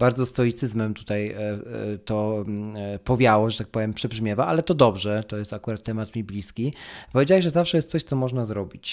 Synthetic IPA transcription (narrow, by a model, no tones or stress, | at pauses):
baɾd̪zɔst̪ɔjit̪sɘzmɛmt̪u̥t̪aj | t̪ɔ | pɔvʲjawɔʐɛt̪ak̚pɔvʲjɛmpʂɛbʐmʲjɛvaʔalɛt̪ɔd̪ɔbʐɛt̪ɔjɛst̪akuɾat̪ʰːɛmat̪mʲiblʲiskʲipɔvʲed͡ʑawaʐɛzafʂɛjɛst̪sɔɕt̪sɔmɔʐnazɾɔbʲit͡ɕ